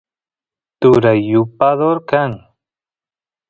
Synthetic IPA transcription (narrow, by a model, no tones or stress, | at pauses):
t̪uɾajupaðoɾkaŋ